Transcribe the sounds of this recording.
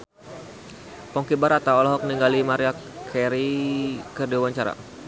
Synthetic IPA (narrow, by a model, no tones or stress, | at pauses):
pɔŋkibaɾat̪aɔlaɦɔk̚niŋɡalimaɾia | kʰɛɾikərdiawaɲt͡ʃaɾa̰